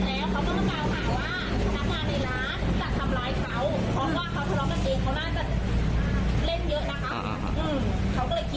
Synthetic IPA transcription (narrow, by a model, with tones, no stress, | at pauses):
lɛː˨˦˥wkʰa˨˦wkɔ˧˩ɔ˧˥˩ŋkaː˧˩wkʰaː˧˩wwaː˧˥˩ | nʰa˧˥˩mɲaː˧nːa˧˩jlaː˨˦˥nt͡ɕa˨˧˩t̪ʰa˧mlaː˨˧˦jka˨˦˥w | pʰɾɔ˦˥waː˧˩kʰa˨˦wt̪ʰa˧lɔː˨˧˥mka˧˩nʔeː˨˧ŋkʰa˨˦wnaː˧˥˩t͡ɕa˧˩ʔ | le˧˥˩njɤ˦˥ʔna˦˧˥kʰa˦˥p̚ | ʔɯː˧˩mkʰa˧˦˩wkɔː˧˩lɤː˧˩ki˧